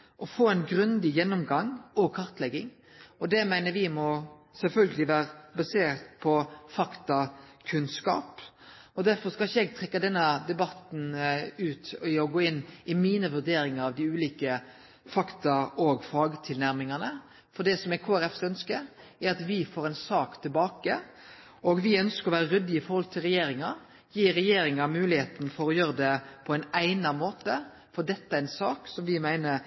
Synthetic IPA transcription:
ʔɔfoːɛnɡɾʉnd̪ɪjɛnːʊmɡɑŋːɔɡkʰɑɾt̪lɛɡːɪŋ | ɔd̪ɛmæɪnəɾʋɪmɔsɛlfœlɡəlɪʋæːɾəbɑseːɾt̪pʰɔfɑkt̪ɑkʰʉnskɑ̰ːp | ɔd̪æɾfɔskɑlɪçːəɛɡ̚t̪ʰɾɛkːɑd̪ɛnːəd̪ɛbɑt̪n̩ʉːt̪ɪɔɡoːɪnːɪmiːnəʋʉɾd̪eːɾɪŋəɾɑʋd̪ɪʉːliːkə | fɑkt̪ɑɔɡfɑːɡət̪ʰɪlnæɾmɪŋɑnə | fɔɖ̪ɛsɔmɛkʰoːæɾɛfsœnskə | æɾɑt̪ʋɪfoːɾɛɪnsɑːkt̪ʰɪlbɑːkə | ɔɡʋɪœnskəɾɔʋæːɾəɾʏd̪ːɪəɪfɔɾhɔlt̪ʰɪlɾɛjeːɾɪŋɑ | jiːɾɛjeːɾɪŋɑmʉːlɪheːt̪nfɔɾɔjøːɾəd̪ɛpʰɔɛɪnæɪnɑmoːt̪ə | fɔɖ̪ɛt̪ːəæɾɛnsɑːksɔmʋɪmæɪnə

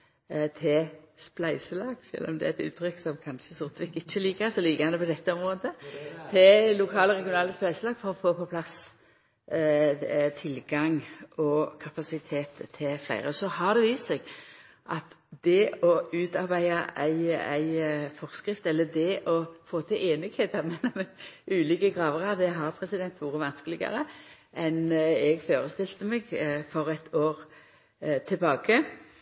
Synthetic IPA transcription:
t̪ʰɪlsplæɪsəlɑːɡ̥ʃœ̰lʔɔ̰md̪ɛ̰æɛt̪ʉ̰nt̪ʰːɾʏkːsɔmkʰɑnʃəsʊɾt̪ʋɪkːɪçːəliːkəsɔliːkəɑnəpɔd̪ɛt̪ːəɔmʁoːd̪ət̪ʰɪllʊkʰɑːləɾʁɛɡɪʊnɑːləsplæɪsəlɑːɡ̥fɔɾɔfoːpʰɔpʰlɑs | t̪ʰɪlɡɑŋɔkʰɑpɑsɪt̪ʰeːt̪ʰːɪlflæ̰ɪʁəsɔhɑd̪ɛʋiːst̪sɛɡ | ʔɑt̪ | d̪ɛɔʉːt̪ɑɾbæɪɑʔæɪæ̰ɪfɔʁskɾɪft̪ɛlːəd̪ɛʔɔfoːt̪ʰɪleːnɪɡheːt̪ɑɾmɛlːɔmʉːliːkəɡɾɑːʋəʁɑd̪ɛɦɑɾpʰɾɛsɪd̪ɛnt̪ʋuːɾəʋɑnskəlɪɡɑ̰ɾə | ʔɛnɛɡføːɾəst̪ɪlt̪əmɛɡfɔɾɛt̪ʰoːɾ | t̪ʰɪlbɑːkə

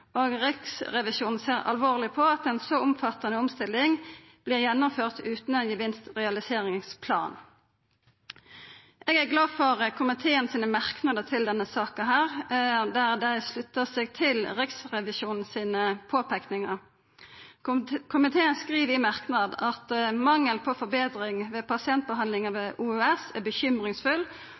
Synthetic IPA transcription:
oːɡʁɪksʁɛʋɪʃuːnn̩seːʁɑ̰lʋoːʁlɪpʰɔɑt̪ɛnsɔʊmfɑt̪ːɑnəʊmst̪ɪlːɪŋ | b̥liːʁjɛnːʊmføːʁt̪ʉːt̪n̩ɛnjəʋɪnst̪ʁɛɑlɪseːʁɪŋspʰlɑ̰ːn | ʔeːɡæːʁɡlɑːfɔʁəkʰʊmɪt̪ʰeːənsiːnəmɑʁknɑd̪ət̪ʰɪld̪ɛnːəsɑːkɑɦæːʁd̪æʁd̪æɪslʉt̪ːəseːɡ̚t̪ʰɪlʁɪksʁɛʋɪʃuːnn̩siːnəpʰoːpʰæknɪŋɑʁ | kʰʊmɪt̪ʰeːənskʁiːʋɪmɑʁknɑd̪ɑt̪mɑŋːəlpʰoːfɔʁbeːd̪ʁɪŋʋeːpɑsɪɛnt̪̚bəɦɑnd̪lɪŋəʋeːʔuːøːɛsæbəçʏmʁɪŋsfʉl

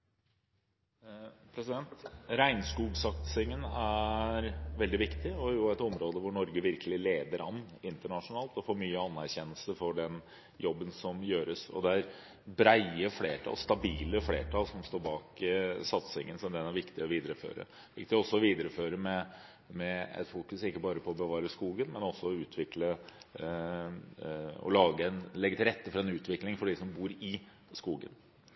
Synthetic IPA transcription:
pʰɾɛsɪd̪ɛnt̪ɾæɪnskuːɡsɑt̪sɪŋənæɾʋɛld̪ɪʋɪkt̪ɪɔjʊæt̪ɔmɾoːd̪əʋʊɳɔɾɡəʋɪɾkəlɪleːd̪əɾɑnː | ɪnt̪əɳɑʂʊnɑːlt̪ɔfoːɾmyːəɑnːæɾçɛnːəlsəfɔɖɛn | jɔbːənsɔmjøːɾəsɔ̰d̪ɛæɾ | bɾæɪəflḛːʈʰɑ̰lst̪ɑbiːləflḛːʈʰɑːlsɔmst̪oːɾbɑːkɪsɑt̪sɪŋːənsɔmd̪ɛnæɾʋɪkt̪ɪɔʋiːd̪əɾəfø̰ːɾə̰ | ʋɪkt̪ɪɔsːɔɔʋiːd̪əɾəføːɾəmɛ | mɛɛ̰t̪fuːkʉsɪkːəbɑːɾəpʰɔːbəʋɑːɾəskuːɡənmɛnɔsːɔɔʉːt̪ʰʋɪklə | ɔ̰lɑːɡəɛnlɛɡːət̪ʰɪlɾɛt̪ːəfɔɾɑɛnʉːt̪ʋɪklɪŋfɔɖɪsɔmbuːɾɪ | skuːɡə̰n

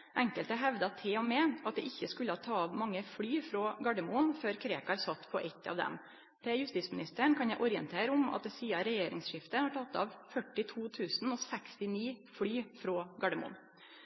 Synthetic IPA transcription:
ʔɛŋkəlt̪əɦɛʋd̪ɑt̪ʰeːɔmɛʔɑt̪̚d̪ɛ̰ʔɪçːəskʉləhɑːt̪ʰɑːɑʋmɑŋːəfɽyːfɾoːɡɑɖəmuːnføːɾkʰɾeːkɑɾsɑt̪ːpʰɔʔɛt̪ːɑ̰ːʋd̪ɛ̰m | p̪ʰɛjʉst̪iːtsmɪnɪst̪əɳkʰɑnjæɪʔʊɾɪənt̪ʰeːɾəʊmɑ̰t̪̚d̪ɛsiːɑɾɛjeːɾɪ̰ŋsʂɪft̪əhɑʈʰɑt̪ːɑ̰ʋfœʈːɪt̪ʰuːt̪ʰʉːsn̩ɔːsɛkst̪ɪniːfɽyːfɾoːɡɑɖɛmṵːn

